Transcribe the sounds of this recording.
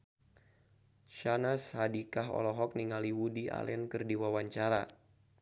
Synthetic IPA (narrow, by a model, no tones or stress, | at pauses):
ʃanashadikaɦɔ̰lɔɦɔk̚niŋaliwudiʔa̰lɛ̰nkərdiwawaɲt͡ʃaɾa